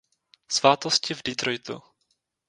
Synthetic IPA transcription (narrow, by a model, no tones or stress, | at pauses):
svaːt̪oscɪvdɪt̪ɾojt̪ṵ